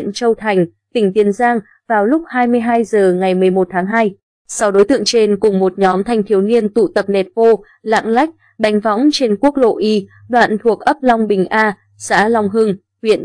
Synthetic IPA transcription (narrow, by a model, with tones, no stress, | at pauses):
nt͡ɕə˧wt̪ʰa˨˩jŋ̟ | t̪ï˧˩ŋ̟t̪i˨˦ənzaː˧ŋ | vaː˨˩wlʊ˦˥k͡p̚haː˧jmɨ˧əjɦaː˧jzəː˨˩ŋa˨˩jmɨ˨˩əjmo˨˩t̚t̪ʰaː˨˦ŋɦaː˧j | sɔ˧wɗo˨˦jt̪ɨ̰˧˨əŋt͡ɕe˧nkʊ˨˩ŋ͡mmo˨˩t̚ɲɔ˨˦mt̪ʰa˧jŋ̟t̪ʰi˨˦əwni˧ənt̪ṵ˧˨t̪ə˨˩p̚ne˨˩t̚fo˧ | la̰ː˧˨ŋla˦˥jk̟̚ | ɗa˨˩jŋ̟vɔ̰˧˦˥wŋ͡mt͡ɕe˧nku˦˥ək̚lo̰˧˨ʔi˧ | ɗwa̰ː˧˨nt̪ʰu˨˩ək̚ʔə˦˥p̚lɔ˧wŋ͡mɓï˨˩ŋ̟ʔaː˧ | sa̰ː˧˥lɔ˧wŋ͡mɦɨ˧ŋ | hwḭ˧˨ən